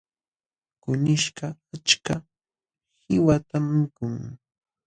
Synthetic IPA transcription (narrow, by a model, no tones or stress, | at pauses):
kʊnɪʃɢɑat͡ʃka | hɪwat̪amːɪkʊŋ